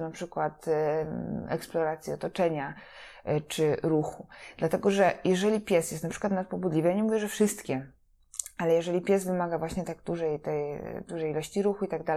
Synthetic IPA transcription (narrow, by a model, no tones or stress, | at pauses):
napʂɘkwat̪ | ɛ̰ksplɔɾat̪sʲjiɔt̪ɔt͡ʂɛɲa | t͡ʂɘɾuxud̪̥lat̪ɛɡɔʐɛjʔɛʐɛlʲipʲjɛsjɛst̪npʂɘkwat̪nat̪̚pɔbud̪lʲivəjaɲɛmuvjɛʐɛfʂɘst̪kʲɛ | alɛjɛʐɛlʲipʲjɛzvɘmaɡavwaɕɲɛt̪aɡd̪uʐɛjt̪ɛj̰d̪uʐɛjilɔɕt͡ɕiɾuxuit̪aɡ̚d̪al